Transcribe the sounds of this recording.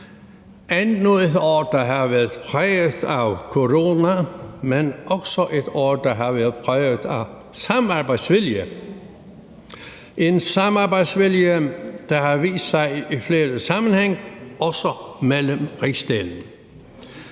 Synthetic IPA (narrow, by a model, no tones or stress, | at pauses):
ʔænnoðˠedɒ̰ːd̥ɑɦɑʋæɐðˠpʰʁɛːæʊkʰoʁo̝ːnæmenʔɒɡ̥sɒʔe̝d̥ɒ̰ːd̥ɑɦɑ̈ʋæɐð̩ˠpʰʁɛʊðˠæʊ | sɑ̈mɑb̥ɑ̈ɪ̰̥sʋiljə | ʔe̝nsɑmɑ̈b̥ɑɪd̥sʋiljəd̥ɑɦɑʋḭːsd̥sɑ̈ɪifle̝ːdəsɑ̈mn̩heŋ̰ɒ̽sɒmeləmʁisd̥eln̩